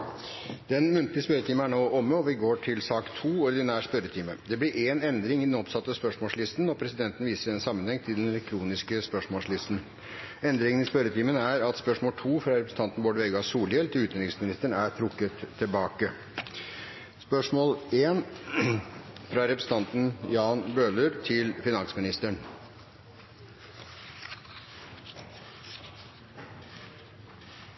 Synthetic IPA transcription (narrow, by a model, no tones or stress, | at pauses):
d̪̥ɛnmʉnt̪lɪəspœɾət̪ʰiːməæɳoːʔɔmːəɔʋɪɡoːʈʰɪlsɑːkt̪ʰuːɔɾd̪ɪnæːspœɾət̪ʰiːməd̪ɛblɪɾʔeːnɛnd̪ɾɪŋɪd̪ɛnɔpsɑt̪ːəspœʂmoːlslɪst̪nɔpʰɾɛsɪd̪ɛnt̪n̩ʋiːsəɾɛnsɑmːənhɛŋt̪ʰɪld̪ɛnɛlɛk̚t̪ʰɾuːnɪskəspœʂmoːlslɪst̪n | ɛnd̪ɾɪŋənɪspœɾət̪ʰiːmənəæɾɑt̪spœʂmoːlʈ̪ʰuːfɾɑɾɛpɾəsn̩ʰɑnt̪ən̩bɔɖʋɛːɡɑsuːljɛlt̪ʰɪlʉːt̪ɛnɪŋsmɪnɪst̪əɳæʈ̪ʰɾʊkːət̪ʰːɪlbɑːkə | spœʂmoːleːn | fɾɑɾɛpɾəsn̩t̪ɑnt̪n̩jɑːnbøːləɾt̪ʰɪlfɪnɑŋsmɪnɪst̪əɳ